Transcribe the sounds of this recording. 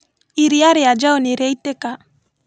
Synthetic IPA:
iɾiaɾead͡ʒaɔniɾɛiteka

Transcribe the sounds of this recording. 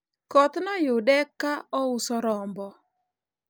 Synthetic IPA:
kɔt̪nɔjʊdɛkːaɔʊsɔɾɔmbɔ

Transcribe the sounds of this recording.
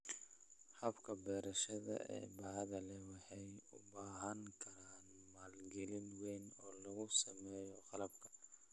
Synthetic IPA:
hɐbkʰɐbɛːɾɐʃɐðɐ̰ɛ̰ːbɑʕðɐlɛwɑħɑjʊbaːɦɐŋkʰɐɾaːnmaːlɡɛlɪnwɛjnɔːlɐɣʊsɐmɛːjɔqɑlɐb̚kʰɐ̥

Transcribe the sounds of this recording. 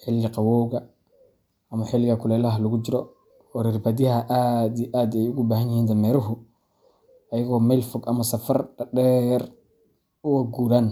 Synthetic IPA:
ħɪlːɪqɑwɔːɣɐ | ɐmɐħɪlɪɣɐkʰʊlɛːlɐɦɐlʊɣʊd͡ʒɪɾɔ | ɔɾɪrbɐd̪ɪhɐʔad̪iʔaːd̪ɛjʊɣʊbaːhɐnjɪhiːnd̪ɐmɛːɾɐɦʊ | ɐjɐɣɔːmɛlfʊɡɐmɐsɐfɐrɖɐɖɛːr | ʊwɐɡuɾan

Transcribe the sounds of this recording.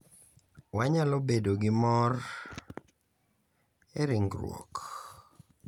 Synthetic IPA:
waɲalobedoɡɪmɔr | eɾiŋɡɾwɔ̰k

